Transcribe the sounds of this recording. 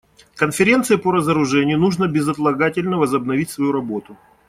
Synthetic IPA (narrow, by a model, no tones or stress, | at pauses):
kənfʲɪɾʲe̞nt̪sɨɪpəɾəzəɾʊʐɛnʲɪjʊnuʐnəbʲɪzɐt̪lˠɐɡatʲɪlʲnəvəzəbnɐvʲitʲsvɐjuɾɐbo̞t̪ʊ